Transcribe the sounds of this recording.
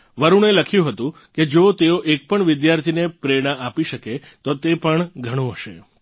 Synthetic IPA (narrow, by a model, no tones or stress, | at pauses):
ʋəɾuɽ̃eləkʰjũɦət̪ũ | ked͡ʒot̪eoʔek̚pəɳʋɪd̪jaɾt̪ʰinepɾeɽ̃aʔapiʃəke | t̪ot̪epəɳɡʱəɽ̃ũɦəʃḛ